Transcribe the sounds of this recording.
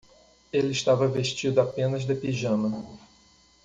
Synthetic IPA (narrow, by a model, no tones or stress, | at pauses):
elɪɪʃt̪avɐveʃt͡ʃid̪ʊapẽnɐzd̪epiʒɐ̃nɐ